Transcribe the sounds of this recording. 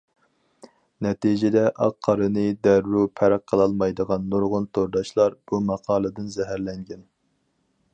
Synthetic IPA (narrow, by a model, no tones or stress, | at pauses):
nɛt̪ʰid͡ʒɪd̪ɛʔɑqʰːɑɾɨnɨd̪æɾːupʰɛɾæqʰːəlˠɑlˠmɑjd̪əʁɑnːoɾʁʊnt̪ʰoɾd̪ɑʃlˠɑɾb̥umɑqʰɑːlˠɨd̪ɨnzɛɦæɾlɛŋɡʲɛn